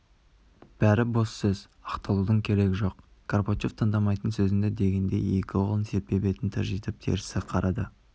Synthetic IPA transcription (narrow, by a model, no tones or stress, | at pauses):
b̥æɾɪbo̞sːɵz | ɑqt̪ɑlˠud̪əɴkʲʰe̞ɾe̞ɡʲɪʒo̞q | kʰorpot͡ʃift̪ʰːənd̪ɑmɑjt̪ənsɵzɪnd̪ed̪e̞ɡʲe̞nd̪e̞̰je̞kʲɪolˠənse̞p̚p̪e̞pe̞t̪ɪnt̪ʰæ̰ʒijt̪ɪp̚t̪ʰe̞̰ɾɪsɪqʰɑɾʔɑd̪ə